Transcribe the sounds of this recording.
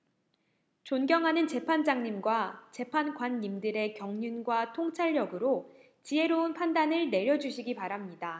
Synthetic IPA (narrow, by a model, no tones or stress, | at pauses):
t͡ɕonɡjʌŋɦanɯnt͡ɕe̞pʰand͡ʑaŋɲimɡwat͡ɕe̞pʰanɡwanːimdɯɾe̞kjʌŋɲunɡwatʰoŋt͡ɕʰaɭːʌɡɯɾo | t͡ɕiɦe̞ɾounpʰandanɯɭne̞ɾjʌd͡ʑuɕʰiɡipaɾamɲida